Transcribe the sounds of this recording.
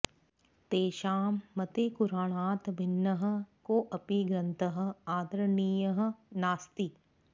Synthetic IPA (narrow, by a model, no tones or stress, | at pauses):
t̪eːʃaːmːɐt̪eːkuɾaːɳ̃aːt̪bʱɪnːɐɦɐ̆koːʔɐpiɡɾɐnt̪ʰɐɦɐ̆aːd̪ɾɐniːjɐɦɐ̆naːst̪i